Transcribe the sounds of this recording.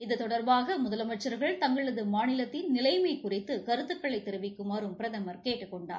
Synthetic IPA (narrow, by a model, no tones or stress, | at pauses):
ɪðɯt̪ɔɽɐɾbaːɣɐmʊðɐlɐmɐʈt͡ʃːɐɾɣɐɭt̪ɐŋɡɐɭɭɐðɯmaːnɪlɐt̪ːɪnnɪlɐɪmɐɪkːʊrɪt̪ːɯkɐɾɯt̪ːɯkːɐɭɐɪt̪ːɛɾɯʋɪkːɯmaːɾɯmpɪɾɐðɐmɐɾkeːʈːɯkːɔɳɖa̰ː